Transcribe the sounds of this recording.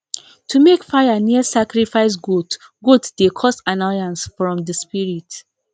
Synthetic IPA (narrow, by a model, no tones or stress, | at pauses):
tʰumekfaɪjaniəsakɹifaɪs̬ɡud | ɡuddekʰɔstanɔjãnsfɹɔ̃mdəspiɹit